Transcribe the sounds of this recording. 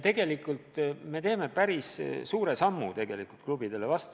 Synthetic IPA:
t̪e̞ɡ̥e̞likˑult̪me̞t̪e̞ːme̞pæɾissuːɾe̞sɑmːṵt̪e̞ɡ̥e̞likult̪̚klub̥id̪̥e̞levɑst̪

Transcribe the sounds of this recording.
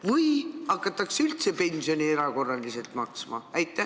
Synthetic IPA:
vɯjɑkːɑt̪ːˑɑksylt̪se̞pe̞nʲsijo̞nʲie̞ɾɑko̞rːɑlise̞lt̪mɑksmɑ̰æjt̪ːˑæ

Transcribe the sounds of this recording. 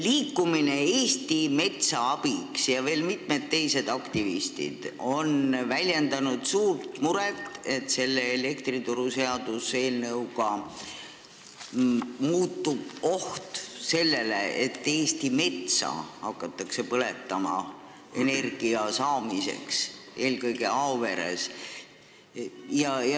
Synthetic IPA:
liːkːˑumine̞eːst̪ime̞t̪sɑɑb̥iksjɑve̞ːlmit̪me̞d̪̥̚t̪ːe̞jse̞d̪̥ɑkt̪ivist̪ḭd̪̥o̞nvælʲjend̪ɑnud̪̥suːrt̪muɾet̪ːe̞t̪se̞lːe̞ːle̞kt̪rit̪uɾuse̞ɑd̪use̞ːlnɤwɡɑ | muːt̪ːub̥o̞ht̪se̞lːe̞le̞et̪ːe̞ːst̪ime̞t̪sɑ̰hɑkːɑt̪ːˑɑkse̞pɤle̞t̪ːˑɑmɑ̰ | e̞ne̞rɡ̥iɑsɑːmise̞̰ksʔe̞ːlkɤjɡe̞ɑove̞ɾḛs | jɑjɑ

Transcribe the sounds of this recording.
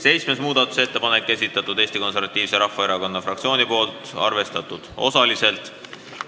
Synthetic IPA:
se̞jt͡ssmesmuːd̪̥ɑt̪ːˑu̥se̞t̪ːe̞pɑnekːesʲit̪ːˑɑt̪ːˑud̪̥eːst̪iko̞nse̞ɾvɑt̪ːˑiːv̥seɾɑhːɑeɾɑko̞nːɑfrɑkt̪sio̞ːnipo̞ːlt̪ˑɑ̰rve̞st̪ɑt̪ˑːud̪̥o̞̰sɑlise̞lt̪ˑ

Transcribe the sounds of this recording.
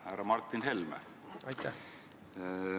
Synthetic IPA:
hæɾɑmɑrt̪ːˑinɦelmə̰ | ɑjt̪ː

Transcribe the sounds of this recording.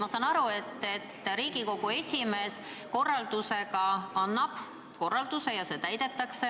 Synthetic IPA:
mɑsɑːnɑɾue̞t̪ːe̞t̪ːˑɾiːɡiko̞ɡ̥ue̞sʲime̞ːs | ko̞rːɑld̪̥use̞ɡɑɑnːɑb̥ | ko̞rːɑld̪̥use̞jɑse̞ːt̪æjd̪̥e̞t̪ːɑkse

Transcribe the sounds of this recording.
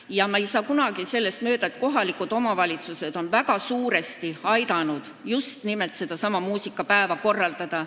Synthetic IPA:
jɑmɑejsɑːkunɑɡ̥ise̞lːe̞st̪mø̞ːd̪̥ɑet̪̚ko̞ɦɑlikːˑud̪̥o̞mɑvɑlʲit̪suse̞d̪̥o̞nvæɡ̥ɑsuːɾe̞st̪iɑjd̪ɑnud̪̥ | just̪nimelt̪se̞d̪̥ɑsɑmɑmuːsikːˑɑpæevɑko̞rːɑld̪̥ɑd̪̥ɑ

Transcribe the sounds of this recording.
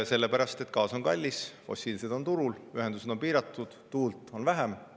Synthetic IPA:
se̞lːe̞pæɾɑst̪e̞t̪kɑːso̞nkɑlʲːisfo̞̰sʲːiːlise̞d̪̥o̞nt̪uɾulyɦe̞nd̪use̞d̪̥o̞npiːɾɑt̪ːˑud̪̥t̪uːlt̪ˑo̞nvæɦæm

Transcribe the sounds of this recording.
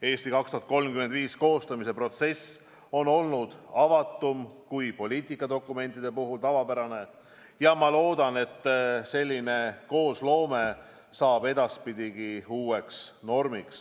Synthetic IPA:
e̞ːst̪ikɑkst̪uhɑt̪ko̞lmkymed̪viːsko̞ːst̪ɑmis̬e̞pro̞t̪se̞s | o̞no̞lnud̪̥ɑvɑt̪ːˑumkujpo̞lʲiːt̪ˑikːˑɑd̪o̞kːˑume̞nʲt̪ːˑid̪̥e̞puɦult̪ɑvɑpæɾɑne̞ | jɑmɑlo̞ːd̪̥ɑne̞t̪ːˑse̞lʲːine̞ko̞ːslo̞ːme̞ | sɑːbe̞d̪̥ɑspid̪̥ʲiɡiuːe̞ksno̞rmiks

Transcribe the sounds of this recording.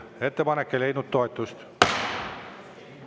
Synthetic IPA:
e̞t̪ːe̞pɑnekːe̞le̞jnud̪̥̚t̪o̞et̪ːˑust̪

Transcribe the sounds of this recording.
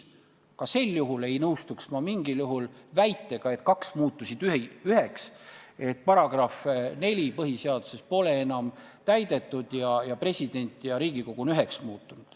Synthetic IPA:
kɑse̞lːjuɦule̞jnɤwst̪uksmɑmiŋɡiljuɦulvæjt̪ːˑe̞ɡ̥ɑe̞t̪kɑksmuːt̪ːˑusid̪̥yhyɦe̞kse̞t̪̚ːpɑɾɑɡ̥rɑfne̞lʲipɤɦiseɑd̪̥use̞spo̞le̞enɑm | t̪æjd̪e̞t̪ːˑud̪̥jɑjɑpre̞sʲid̪̥e̞nʲt̪ːˑjɑɾiːɡ̥iko̞ɡ̥unyɦe̞ksmuːt̪ːˑunud̪̥

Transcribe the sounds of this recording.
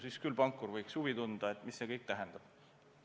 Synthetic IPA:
siskylpɑŋkːˑurvɤjksuvit̪und̪̥ɑet̪ːˑmisːe̞kɤjk̚t̪æɦɛnd̪̥ɑb̥

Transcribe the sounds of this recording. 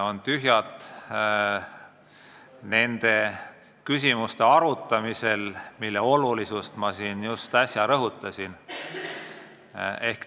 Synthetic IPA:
o̞nt̪yɦjɑt̪ˑ | ne̞nd̪̥e̞ | kysʲimust̪e̞ɑɾut̪ːˑɑmise̞lmilːeo̞lulisust̪mɑsiːnjust̪ɑsʲjɑɾɤɦut̪ˑːɑsin | e̞hk

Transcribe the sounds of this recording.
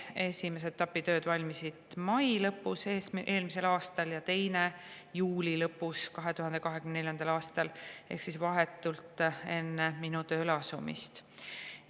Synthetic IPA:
e̞sʲimes̬et̪ːɑpːˑit̪ø̞ːd̪̥vɑlʲmisid̪̥mɑjlɤpːˑuseːsʔe̞ːlmis̬e̞lɑːst̪ɑljɑt̪e̞jne | juːlʲilɤpːˑuskɑɦe̞t̪uɦɑnd̪̥e̞kɑɦe̞kymnene̞ljɑnd̪ɑlɑːst̪ɑle̞̰hksisvɑɦet̪ːˑult̪ˑe̞nːe̞minut̪øːlɑsumḭst̪

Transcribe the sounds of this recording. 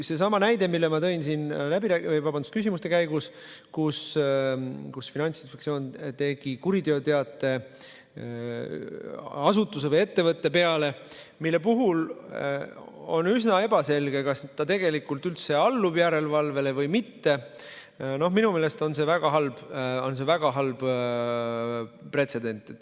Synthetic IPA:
se̞s̬ɑmɑnæjd̪e̞milːemɑt̪ɤ̞insiːnlæbiɾæːkvejvɑbɑnd̪u̥skysimust̪e̞kæjɡuskus | kusfinɑnʲt̪sinspektsio̞ːnt̪e̞ɡ̥ikuɾid̪eo̞t̪e̞ɑt̪ːˑe̞ | ɑsut̪ːˑus̬e̞vɤje̞t̪ːe̞vɤt̪ːe̞pe̞ɑle̞ | milːe̞puɦul | o̞̰nːysnɑe̞bɑse̞lɡ̥e̞kɑst̪ɑt̪e̞ɡ̥e̞likˑult̪ylt̪se̞ɑlːub̥jæɾe̞lvɑlve̞le̞vɤjmit̪ːe̞ | no̞hminume̞ːle̞st̪o̞nse̞væɡ̥ɑɦɑlb̥o̞ns̬e̞væɡ̥ɑɦɑlb̥ | pre̞t̪se̞d̪̥e̞nʲt̪ːˑet̪ːˑ

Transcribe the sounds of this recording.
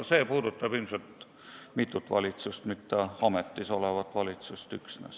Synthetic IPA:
se̞ːpuːd̪ut̪ːˑɑb̥imset̪ | mit̪ːˑut̪ːˑvɑ̰lʲit̪sust̪mit̪ːˑeɑmet̪ːiso̞levɑt̪ːˑvɑlʲit̪sust̪yksnḛs

